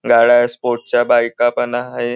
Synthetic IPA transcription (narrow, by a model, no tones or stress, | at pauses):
ɡaɽaspoɾʈ̚t͡ɕjabajkapənaɦe